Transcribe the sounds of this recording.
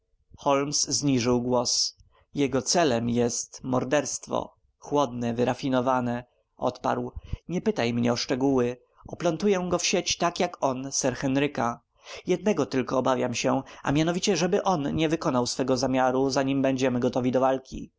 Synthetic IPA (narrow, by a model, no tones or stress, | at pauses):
xɔlmszɲiʐɘwɡwɔs | jɛɡɔt̪sɛlɛmjɛst̪mɔɾd̪ɛɾst̪fɔ̰ | xwɔd̪nɛvɘɾafʲinɔvanɛ | ʔɔ̰t̪pa̰ɾwɲɛpɘt̪ajmɲɛɔʂt͡ʂɛɡuwɘ | ɔplɔnt̪ujɛɡɔfɕet͡ɕt̪akjakɔnsɛɾxɛnɾɘka | jɛd̪̚nɛɡɔt̪ɘlkɔːbavʲjamɕɛa̰mʲjanɔvʲit͡ɕɛʐɛbɘʔɔnɲɛvɘkɔnawsfɛɡɔzamʲjaɾuzaɲimbɛɲd͡ʑɛmɘɡɔt̪ɔvʲid̪ɔvalkʲḭ